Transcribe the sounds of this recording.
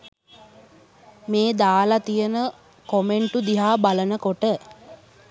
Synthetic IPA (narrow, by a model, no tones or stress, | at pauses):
meːd̪aːlat̪ijənə | komeɳʈud̪iɦaːbalənəkoʈə